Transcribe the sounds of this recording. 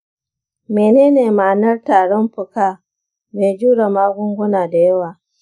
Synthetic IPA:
meː˨neː˦neː˨maː˨nɐ˦rtaː˨ɽɔ˦mɸʊ˨kaː˦˨ | meː˨d͡ʒuː˦ɽa˨maː˦ɡʷʊ˦ŋɡʷʊ˦naː˨da˨jɐ˦waː˨

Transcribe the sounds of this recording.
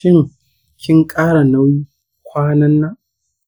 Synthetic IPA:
ɪ˦ŋ | kʲʰɪ˦ŋkʼaː˦ɽa˨na˦wjiː˦ | kʷʰaː˦nɐ˦nːaː˦ʔ

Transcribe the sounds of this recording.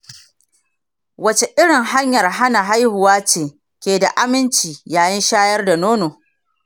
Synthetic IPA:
wɐ˦t͡ʃe˨ʔɪ˦ɽɪ˨ŋha˦ɲjɐ˨rɦa˦na˨ɦa˦jhʊ˨waː˦t͡ʃeː˨ | kʲeː˨da˨ʔa˦mɪ˦nt͡ʃiː˨jaː˨jɐ˦nʃaː˦jɐ˦rda˨noː˦noː˨

